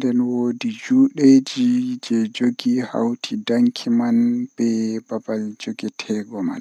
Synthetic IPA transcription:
ndɛnwoːdid͡ʒuːɗed͡ʒid͡ʒɛd͡ʒoɡiha̰wtʰidaŋkʰimanb̥ɛbabald͡ʒoɡɛtʰɛːɡɔma̰n

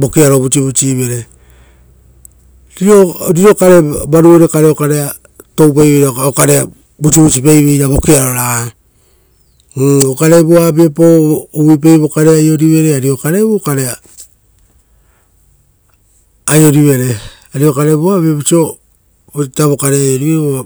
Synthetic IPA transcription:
bo̞keaɾo̞but͡ʃiβut͡ʃiβeɾe | ɾiɾoɾiɾo̞kaɾebaɾuoɾekaɾeokaɾea | to̞wp̬ajβeɾakaokaɾea | but͡ʃiβut͡ʃipejβejɾaβo̞keaɾoɾa | okaɾeboabepowip̬ejβo̞kaɾeajo̞ɾiβe̞ɾeaɾio̞kaɾeβukaɾea | jo̞ɾiβe̞ɾe̞ | aɾio̞kaɾe̞boaβebut͡ʃio | taβo̞kaɾeajoɾiβeɾβoa

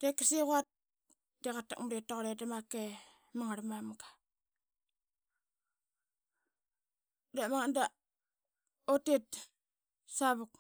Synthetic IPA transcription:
d̥ekaseɣuat̚ | deɣata̰k̚muɾetaɣoɾedemake | maŋaɾamamɡa | demaŋanda | otet̚ | saβuk̚

